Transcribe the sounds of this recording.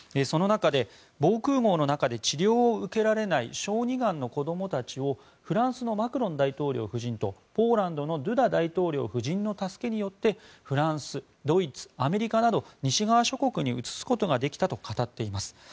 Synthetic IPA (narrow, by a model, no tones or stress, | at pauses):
eso̞no̞nakad̪e̞ | bo̞ːkɯ̟ːɡo̞ːno̞nakad̪e̞t͡ɕiɾʲjo̞ːɯ̟ke̞ɾaɾe̞naḭɕo̞ːɲ̟iɡãnːo̞ko̞d̪o̞mo̞t̪at͡ɕio̞ | ɸɯ̟ɾãɰ̃sɨno̞makɯ̟ɾõ̞nd̪ait̪o̞ːɾʲo̞̰ːɸɯ̟ʑĩnt̪o̞po̞ːɾãnd̪o̞no̞d̪ɯ̟d̪ad̪ait̪o̞ːɾʲo̞̰ːɸɯ̟ʑĩnːo̞t̪asɨ̥ke̞ɲ̟ijo̞t̪ːe̞ | ɸɯ̟ɾãɰ̃sɨ | d̪o̞it͡sɨ̥ame̞ɾʲikanad̪o̞ɲ̟iɕiɡaβaɕo̞ko̞kɯ̟ɲ̟iɯt͡sɨ̥sɨ̥ko̞t̪o̞ɡad̪e̞kʲi̥t̪at̪o̞kat̪at̪ːe̞imasɨ̥